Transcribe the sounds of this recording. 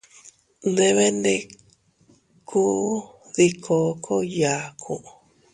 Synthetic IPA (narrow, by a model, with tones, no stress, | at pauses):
nd̪e˦˧βe˦nd̪e˧ | kʰu˦ | ði˧kʰo˧kʰo˦ja˨kʰu˨ʔ